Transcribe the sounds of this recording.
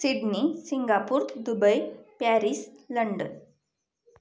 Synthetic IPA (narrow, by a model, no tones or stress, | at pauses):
siɖnisiŋɡapuːɾd̪ubəjpæɾisləɳɖən